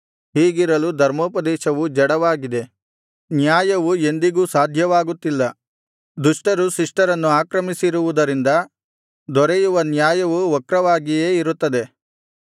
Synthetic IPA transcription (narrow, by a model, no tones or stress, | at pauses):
ɦiːɡiɾɐlud̪ʱɐɾmoːpɐd̪ɛːʃɐʋud͡ʒɐɽɐʋaːɡid̪e̞ | njaːjɐʋue̞nd̪iɡuːsaːd̪ʱjɐʋaːɡut̪ːilːɐ | d̪uʂʈɐɾuʃɾiʂʈɐɾɐnːuaːkɾɐmisiɾuʋud̪ɐɾind̪ɐ | d̪ɔɾejuʋɐnjaːjɐʋuɔkɾɐʋaːɡijeːiɾut̪ːɐd̪e̞